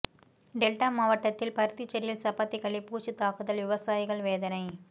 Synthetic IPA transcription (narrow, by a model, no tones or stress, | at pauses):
ɖɛlʈaːmaːʋɐʈːɐt̪ːɪlpɐɾɯt̪it͡ʃːɛɾɪjɪlsɐpːɐt̪ːɪkɐɭːipuːt͡ʃɯt̪ːaːkɯðɐlʋɪʋɐsaːjɪɣɐɭʋeːðɐnɐɪ